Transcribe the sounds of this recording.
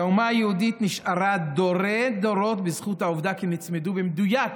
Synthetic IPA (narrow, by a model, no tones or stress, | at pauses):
aumajɛudit̪niʃaɾad̪oɾed̪oɾot̪bɪzχut̪hauvd̪akinit͡smeduvemd̪ujak